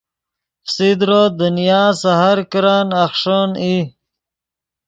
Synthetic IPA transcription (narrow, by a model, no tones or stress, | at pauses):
sid̪ɾod̪ənijaːsaɦaɾkɾaːnaxʂoni